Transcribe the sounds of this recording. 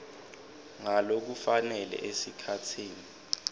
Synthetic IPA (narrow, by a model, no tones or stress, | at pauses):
ŋalok̬ufanɛlɛ̰ʔesikʰatʰiːni